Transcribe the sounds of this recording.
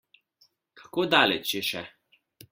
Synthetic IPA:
kʰḁkoːd̪aːlɛt͡ʃjɛʃɛ

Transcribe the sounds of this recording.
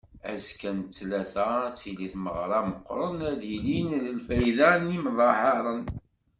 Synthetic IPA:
æzkænt͡sːlæθæt͡sːiliθməʁɾˤɑməqːɾˤənæðilinðəlfæjðænimðˤɑħɑɾˤən

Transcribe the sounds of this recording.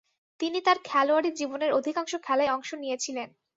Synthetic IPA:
t̪init̪aɾkʰɛloaɾid͡ʑiboneɾod̪ʱikaŋʃokʰɛlaeɔŋʃonijet͡ɕʰilen

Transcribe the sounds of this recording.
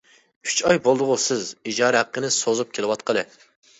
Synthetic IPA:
y̥t͡ʃɑjbolˠd̪ʊʁʊsɪzid͡ʒɑːɾɛɦæqːənɨsozup̚kʲʰelɨwɑt̪qəlˠɨ

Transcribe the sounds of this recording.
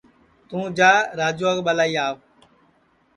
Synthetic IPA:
t̪ũːd͡ʒaːɾaːd͡ʒuːakɓəlaːiːaːʋ

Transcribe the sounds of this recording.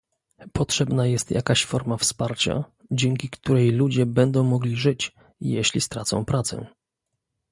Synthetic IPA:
pɔtʂɛbnajɛst̪ja̰kaɕfɔɾmafspaɾt͡ɕa̰ | d͡ʑɛŋkʲikt̪uɾɛjlud͡ʑɛbɛnd̪ɔ̃w̃mɔɡlʲiʐɘt͡ɕ | jɛɕlʲist̪ɾat̪sɔ̰̃w̃pɾat̪sɛ̰

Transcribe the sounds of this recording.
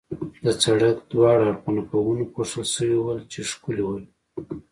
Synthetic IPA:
d̪ət͡saɽəkd̪wɑɽaɾqunapawunkoʂəlsəwiwəlt͡ʃeʂkuliwəl

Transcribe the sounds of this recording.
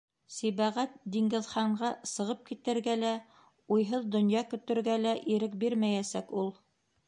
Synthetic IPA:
siβæʁæt̪̚d̪iŋɡɘ̆ðχɑɴɢɑsɤ̆ʁɤp̚kit̪ɘ̆ɾɡælæ | ujɦɤðd̪ŏnjɑkɵ̆t̪ɘ̆ɾɡælæʔiɾɘk̚biɾmæjæsækulˠ

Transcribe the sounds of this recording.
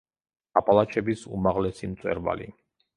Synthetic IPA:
apʼalˠat͡ʃʰɛbisṵmaʁlɛsimt̪sʼwɛ̰ɾva̰lḭ

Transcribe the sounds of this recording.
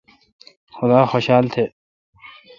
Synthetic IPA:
xʊd̪aːxoːɕaːlt̪ʰeː

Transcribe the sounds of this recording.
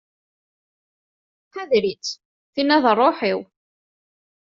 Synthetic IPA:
ħæðɾit͡s | θinæðərˤːoħiw

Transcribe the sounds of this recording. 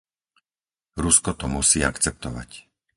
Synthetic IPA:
ɾuskɔt̪ɔmusiːakt͡sɛp̚t̪ɔʋa̰c

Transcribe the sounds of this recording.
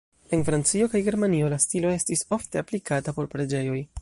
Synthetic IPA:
e̞nfɾant͡sio̞kajɡe̞ɾmanio̞lastilo̞e̞stiso̞fte̞aplikatapo̞ɾpɾe̞d͡ʒe̞jo̞j

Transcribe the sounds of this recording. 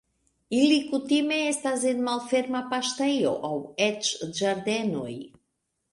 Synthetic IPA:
ilikut̪ime̞estas̬enmalfe̞ɾmapaʃt̪ejo̞̰ʔawet͡ʃd͡ʒaɾd̪e̞noj

